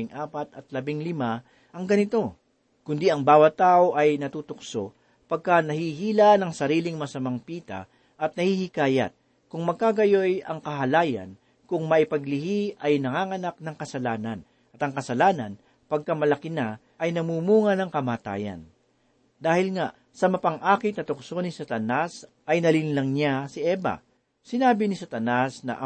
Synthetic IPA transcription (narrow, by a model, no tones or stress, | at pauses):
ɪŋʔaːpɐt̪ɐt̪̚lɐbɪŋlɪma | ʔɐŋɡɐnɪt̪o̞ | kʊnd̪iɐŋbaːwɐt̪ːaːʔo̞ʔɐjnɐt̪uːt̪ʊkso̞ | pɐɡ̚kanɐhihiːlanɐŋsɐɾiːlɪŋmɐsɐmaŋpiːt̪ɐ̰ | ʔɐt̪̚nɐhihɪkaːjɐ̰t̪̚ | kʊŋmɐɡ̚kaɡɐjo̞jɐŋkɐɦɐlaːjɐ̰n | kʊŋmɐʔɪpɐɡlɪhiʔɐjnɐŋaːŋɐnak̚nɐŋkɐsɐlaːnɐn | ʔɐt̪ɐŋkɐsɐlaːnɐ̰n | pɐɡ̚kɐmɐlɐkɪna | ʔɐjnɐmuːmuːŋɐnɐŋkɐmaːt̪a̰ːjɐ̰n | d̪aːhɪlŋaʔ | sɐmɐpɐŋʔaːkɪt̪nɐt̪ʊksonɪsɐt̪ɐnas | ʔɐjnɐlɪnlɐŋɲasɪʔɛːbɐ̰ | sɪnaːbɪnɪsɐt̪ɐnasnɐ̰ʔɐ